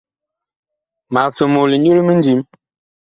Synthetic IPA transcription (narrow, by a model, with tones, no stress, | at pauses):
ma˨so˨mo˨li˨ɲu˦ɾi˦mi˦n̩˦d͡ʒi˨˦m